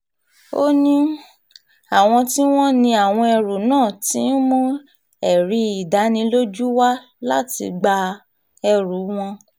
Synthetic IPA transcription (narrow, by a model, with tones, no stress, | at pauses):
o˦nĩ˦ | a˨w̃ɔ̃˧ti˦w̃ɔ̃˦nĩ˧a˨w̃ɔ̃˧ɛ˧ɾu˨nãː˦˨tĩ˨˦n̩˦mũ˦ | ɛ˨ɾi˧i˨da˨˦nĩ˧˦lo˦d͡ʒu˦wa˦ | la˦tḭ˧ɡ͡ba˧ | ɛ˧ɾu˨˦w̃ɔ̃˧